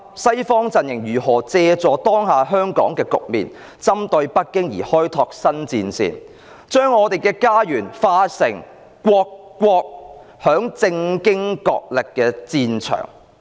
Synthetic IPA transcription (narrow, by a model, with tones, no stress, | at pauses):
sɐ˥jfɔː˥ŋt͡sɐ˨njɪ˨˩ŋjyː˨˩ɦɔː˨˩t͡sɛː˧t͡sɔː˨˧t̪ɔː˥ŋɦaː˨˧ɦœː˥ŋkɔ̰ː˨˥ŋkɛː˧kʊ̰˨k̚mḭː˨˩n | t͡sɐ˥mt̪ɵ˧ɥpɐ˥t̚kːɪ˥ŋjḭː˨˩hɔː˥jt̪ʰɔː˧k̚sɐ˥nt͡siː˧nsḭː˨n | t͡ʃœː˥ŋɔː˨˧t̪e˨jkɛː˧kaː˥jyː˨˩nfaː˧sɪ˨˩ŋ | kːʷɔː˧kːʷɔː˧k̚ | hœː˨˥ŋt͡sɪ˧ŋkɪ˥ŋkɔ̰ː˧k̚lɪ˨kːɛː˧t͡siː˧nt͡ʃʰœ̰ː˨˩ŋ